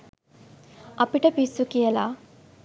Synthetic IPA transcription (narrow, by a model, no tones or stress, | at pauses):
ɐpiʈɐpisːukijɐlaː